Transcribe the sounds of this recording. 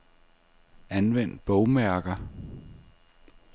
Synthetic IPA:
ænʋen̰d̥̚b̥ɔʊmæɐɡ̥ɐ

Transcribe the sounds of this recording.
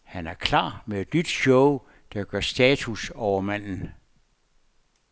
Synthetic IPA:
hænæɐkʰlɑ̰̈ːmee̝d̥nyd̥ɕɔʊ | d̥ɑ̈ɡ̥ɶɐsd̥ɛːt͡sʰusɒʊɐmæn̰n̩

